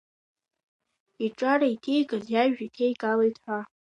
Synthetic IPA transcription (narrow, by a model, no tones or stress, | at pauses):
iʈ͡ʂʼaɾaitʰejkʼazjaʒᶣatʰejkʼalejtʰʼħʷa